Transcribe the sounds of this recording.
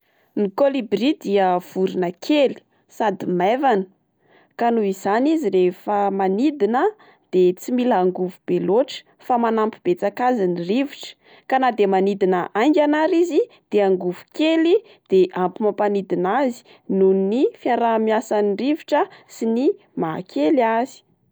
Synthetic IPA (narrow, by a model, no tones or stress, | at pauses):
nikolibɾid̪iəv̥uɾinəkʰeli̥ | sad̪imevanə̥ | kanuiz̥aniziɾefəmanid̪inə | d̪̥et͡similːŋɡuvub̥eloʈ͡ʂə̥ | famanampib̥et͡sakaziniriviʈ͡ʂə̥ | kanad̪emanid̪inəʔaŋɡʲanaɾizi | d̪̥eaŋɡuvukeli | d̪̥eʔampimapanid̪inazi̥ | nunnifjaɾamjasaniriviʈ͡ʂəsini | maɦa̰kʰeliazi̥